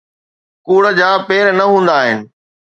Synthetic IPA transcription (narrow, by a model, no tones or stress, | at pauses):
kuːɽə̆d͡ʑaːpeːɾnɐɦũːn̆d̪aːɦɪnɪ̆